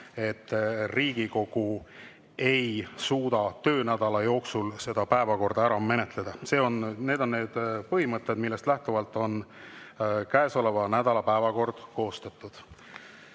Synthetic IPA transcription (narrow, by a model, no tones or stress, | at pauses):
e̞t̪ːriːɡ̥iko̞ɡ̥u | e̞jsuːd̪̥ɑt̪ø̞ːnæd̪̥ɑlɑjo̞ːksulse̞d̪̥ɑpæe̞vɑko̞rd̪̥ɑæɾɑme̞net̪le̞d̪̥ɑse̞ːo̞nne̞ːd̪̥o̞nne̞ːd̪̥pɤɦimɤt̪ːˑed̪milːe̞st̪læht̪uvɑlt̪ːˑo̞n | kæeso̞le̞vɑnæd̪̥ɑlɑpæevɑko̞rd̪̥ko̞ːst̪ɑt̪ːˑud̪̥